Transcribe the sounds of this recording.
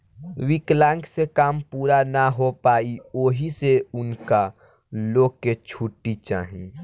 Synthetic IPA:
wɪklãŋksekaːmpuːɾanaɦopaːioːɦiseʊnka | loːket͡ʃʰuʈːit͡ʃa̰ːɦĩː

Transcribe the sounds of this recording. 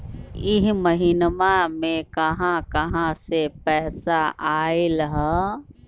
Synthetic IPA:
ɪɦməɦiːnmamẽkɐɦãkɐɦãsepɛːsaʔaːelɦɛ

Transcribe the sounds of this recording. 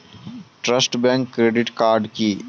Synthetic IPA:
ʈɾəsʈbɛ̃ːŋkːɾeːɖɪʈkaːɾɖki

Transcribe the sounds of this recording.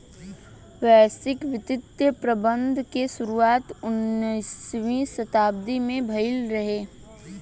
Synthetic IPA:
ʋɛːsɪkʋɪt̪ɪt̪jəpɾəbə̃nd̪ʱkesʊɾuaːt̪ʊnːisʋĩsɐt̪aːb̚d̪imẽbʱɐɪlɾɐɦeː

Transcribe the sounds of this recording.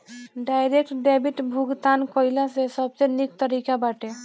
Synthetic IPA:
ɖajɾek̚ʈɖɛbiʈbʱuɡt̪ankɔjlasesəbsenik̚t̪əɾikabaʈe

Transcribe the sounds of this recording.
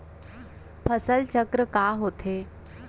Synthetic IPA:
pʰəsəlt͡ɕəkɾəkaɦot̪ʰe

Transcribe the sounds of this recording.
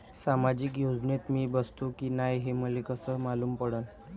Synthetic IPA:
samad͡ʑiːkjod͡znet̪miːbəst̪ukiːnajɦem̤əlekəsəmaluːmpəɽən

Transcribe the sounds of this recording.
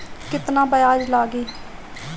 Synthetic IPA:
kɪt̪nãːbəjaːd͡ʒlaːɡiː

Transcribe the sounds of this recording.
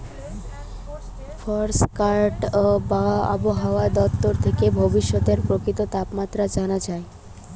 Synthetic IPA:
fʰɔɾskaɾʈbaa̰boɦaoad̪ɔt̪ːoɾt̪ʰekebʱobiʃːot̪eɾpɾokɾit̪ot̪apmat̪ːɾad͡ʑanad͡ʑae

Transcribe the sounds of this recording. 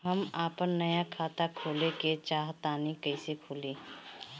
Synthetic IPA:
ɦəmaːpənːəjakʰaːt̪akʰoːleket͡ʃaːɦt̪aːnikəɪsekʰoːlĩː

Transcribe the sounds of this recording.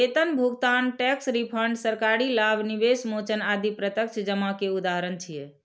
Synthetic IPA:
et̪ənbʱuɡt̪anʈɛksɾipʰəɳɖsəɾkaɾilabniʋesmot͡ʃənad̪ipɾət̪əkt͡ʃʰd͡ʒəmakeud̪aɦəɾənt͡ʃʰije

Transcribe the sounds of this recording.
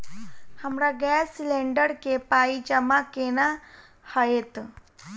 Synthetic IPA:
hamɾaɡɛsleɳɖəɽkepaid͡ʑamakeɽ̃a | həjet̪

